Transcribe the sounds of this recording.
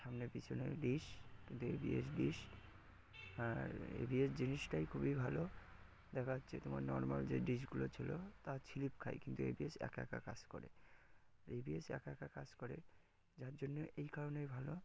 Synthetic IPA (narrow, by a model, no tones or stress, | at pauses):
ʃamnepit͡ɕʰonḛɖiʃkint̪uḛbḭes̬ɖiʃ | aɾḛbiesd͡ʑiniʃʈajkʰubibʱalo | d̪ɛkʰaɦotːɕʰet̪omaɾnɔɾmald͡ʑeɖiʃɡulot͡ɕʰilot̪at͡ɕʰilipkʰa̰jkint̪uḛbiesɛ̰kɛ̰ka̰ka̰d͡ʑko̰ɾḛ | aɾebiesɛ̰kɛkakad͡ʑkoɾe | d͡ʑaɾd͡ʑonːoʔejkaɾonejbʱalo